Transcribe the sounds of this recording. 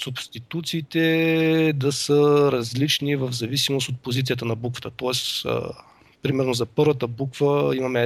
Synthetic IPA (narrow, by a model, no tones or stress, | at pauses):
subst̪it̪ut̪siːt̪ɛ | d̪ɐsəɾɐzlit͡ʃnivəvzɐvisimost̪ot̪̚pozit̪siət̪ənɐbukvə̥t̪ət̪ɔɛs | pɾimɛɾnozɐpɤɾvət̪əbukvəimɐmɛ